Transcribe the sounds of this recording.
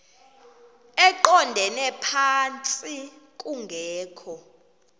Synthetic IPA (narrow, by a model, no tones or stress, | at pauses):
ɛǃɔndʱɛnɛpʰant͡sʼik̬ʼuŋɡʱɛːkʰɔ